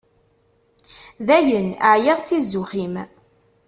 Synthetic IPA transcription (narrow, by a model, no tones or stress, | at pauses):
ðæjənʕjeðˤt͡sːizːʊχim